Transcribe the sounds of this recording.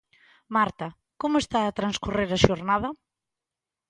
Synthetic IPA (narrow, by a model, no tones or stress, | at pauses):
maɾt̪ɐ | komʊest̪aːt̪ɾanskureɾɐʃoɾnaðɐ